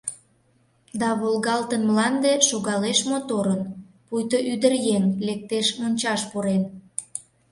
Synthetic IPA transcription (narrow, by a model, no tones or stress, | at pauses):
d̪ɑβolɣɑlt̪ənmlɑnd̪eʃoɣɑleʃmot̪oɾən | pujt̪oʔyd̪ərjenlek̚t̪eʃmonʲt͡ɕɑʃpuɾen